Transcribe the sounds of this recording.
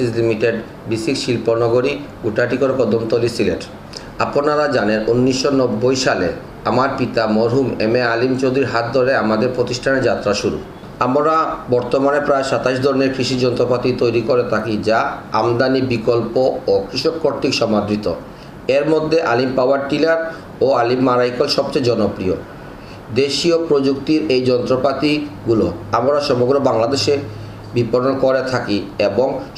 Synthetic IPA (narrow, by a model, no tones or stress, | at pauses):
islimiʈeɖ | bisikʃilponɔɡoɾiɡuʈaʈikoɾepɔd̪omt̪olisileʈ | aponaɾad͡ʑanenʔunːiʃːonɔbːojʃalḛ | amaɾpit̪amɔɾɦumḛmealimt͡ɕod̪ɾiɾɦat̪̚d̪ʱoɾeamad̪eɾpɾot̪iʃʈʰaneɾd͡ʑat̪ːɾaʃuɾṵ | amɾabɔɾt̪omanepɾaeʃat̪aiʃ̬d̪ʱɔɾneɾkɾiʃid͡ʑɔnt̪ɾopat̪it̪ojɾikoɾet̪ʰakid͡ʑaamd̪anibikolpookɾiʃokːoɾt̪ikʃɔmad̪ʱɾit̪o | eɾmod̪ʱːeʔalimpawaɾʈilaɾ | oalimːaɾajkolʃɔb̚t͡ɕejd͡ʑɔnopɾio | d̪eʃiopɾod͡ʑuk̚t̪iɾejd͡ʑɔnt̪ɾopat̪iɡuloamɾaʃɔmoɡɾobaŋlad̪eʃe | bipoɾonkoɾet̪ʰakieboŋ